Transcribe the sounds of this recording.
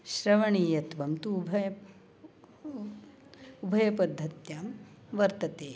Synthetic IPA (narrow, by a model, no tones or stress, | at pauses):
ʃɾɐʋɐɳiːjɐt̪ʋɐmt̪uːbʱɐjɐ | ubʱɐjɐpɐd̪ʱːɐt̪jaːm | ʋɐɾt̪ɐt̪eː